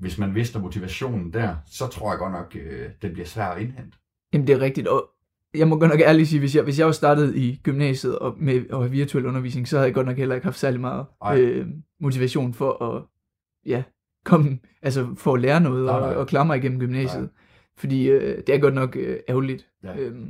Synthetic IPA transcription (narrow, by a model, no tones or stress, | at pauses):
ʋe̝smænʋe̝sd̥ɐmo̝t͡sʰiʋæɕo̝̰ːnn̩d̥æɐ̰sɒ̽t͡sʰʁo̝ɐ̰jɑ̈ɡ̥ɒ̽d̥nɒ̽ɡ̥d̥eb̥liɐsʋæɐ̰ɒ̽e̝nhen̰d̥ə | jæmn̩d̥e̝æɐʁeɡ̥d̥id̥ɒ̽ | jɑ̈ɪmɒ̽ɡ̥ɒd̥nɒ̽ɡ̥æɐlisiːʋe̝s̬jɑɪʋe̝s̬jɑ̈ɪʋɑsd̥ɑ̈ːd̥əð̞̩ˠiɡ̥ymnɛ̰ːsð̩ˠɒ̽meɒ̽hæʋiɐt͡sʰuel̰ɔ̽nɐʋḭːsne̝ŋsɒ̽hæðˠjɡɒ̽d̥nɒ̽ɡ̥helɐɪɡ̥hɑ̈fd̥sæɐlimɑ̈ːð̞̩ˠømo̝t͡sʰiʋæɕo̝̰ːnfɒ̽ʔɒ̽ | jæ | kʰɒ̽mə | ʔæls̬əfɒ̽ːleːɐnɔ̽ːð̞̩ˠɒ̽ɒ̽kʰlɑ̈ːmɑ̈ɪiɡen̰m̩ɡ̥ymnɛ̰ːɕð̞̩ˠ | fɒ̽d̥ḭːød̥e̝æɐɡ̥ɒ̽d̥nɒ̽ɡ̥øæʊlid̥ | øm